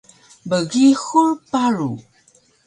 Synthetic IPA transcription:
bəɣixurpaɾu

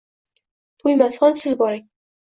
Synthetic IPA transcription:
t̪ʰujmasχɒnsɪzbɒɾɪŋ

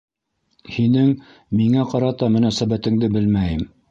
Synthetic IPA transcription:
hinɘŋ | miŋæqɑɾɑt̪ɑmɘ̆næsæbæt̪ɘ̆ŋd̪ɘbɘlmæjɘm

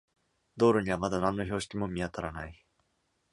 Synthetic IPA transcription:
d̪o̞ːɾɯ̟ɲ̟iβ̞amad̪anãnːo̞ço̞ːɕi̥kʲimomʲiat̪aɾanai

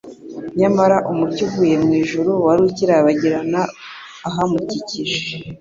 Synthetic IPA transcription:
ɲamaɾaʔumucuvuje̞mŋiːʒuɾuwaɾuciɾaβaɟiɾanaː | ɦamuciciʒe̥

